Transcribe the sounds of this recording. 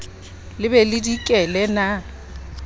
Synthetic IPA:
lɪbɛlɪdikʼɛlɛna

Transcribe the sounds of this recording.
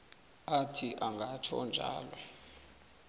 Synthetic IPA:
atʰiʔaŋɡʱat͡ʃʰɔnd͡ʒʱa̰ːlɔ

